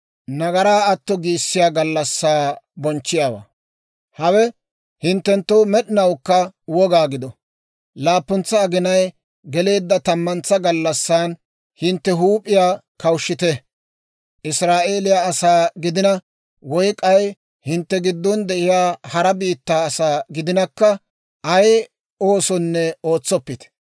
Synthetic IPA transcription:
nɐɡɐɾaːɐt̪ːɔɡiːsːɪjaːɡɐlːɐsːaːbɔnt͡ʃːɪjaːwa̰ː | hɐwɛ | hɪnt̪ːɛnt̪ːoːmɛɗɪnɐwkːɐwɔɡaːɡɪd̪ɔ | laːpːʊnt͡sːɐːɡɪnɐj | ɡɛle̞ːd̪ːɐt̪ɐmːɐnt͡sːɐɡɐlːɐsːaːn | hɪnt̪ːɛɦuːpʼːɪjaː | kɐwʃːɪt̪ɛ | ʔɪsɾaːʔe̞ːlɪjaɐsaːɡɪd̪ɪnɐ | wɔjkʼɐj | hɪnt̪ːɛɡɪd̪ːɔnd̪ɛʔɪjaːhɐɾɐbiːt̪ːaːɐsaːɡɪd̪ɪnɐkːɐ | ʔɐj | o̞ːsɔnːɛo̞ːt͡sːɔpːɪt̪ɛ̥

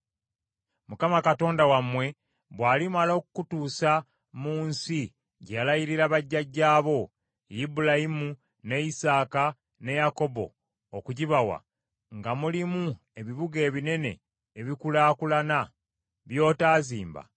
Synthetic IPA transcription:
mukamakato̞ːndawamwe̞ | βwaːlimalo̞ːkukutuːsa | muːnsi | ɟealajiɾiɾaβaɟːaɟːaːβo̞ | jibulaimu | ne̞isaːka | ne̞jako̞bo̞̰ | okuɟiβawa̰ | ŋɡamulimu | e̞βiβuɡe̞ːβine̞ne̞̰ː | βikulaːkulana | βjo̞ːtaːzḭːmba̰

